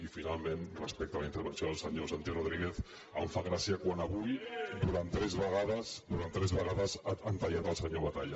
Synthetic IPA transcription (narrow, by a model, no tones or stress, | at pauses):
ifinalˠmenrəspɛk̚t̪ələint̪əɾβənsjoðəlˠsəɲosant̪joroðɾiɣeθ | ə̰ɱfaɣɾasiəkwanəβujd̪uɾant̪ːɾɛzβəɣaðəsd̪uɾant̪ːɾɛzβəɣaðəzant̪aʎat̪əlˠsəɲoβat̪aʎa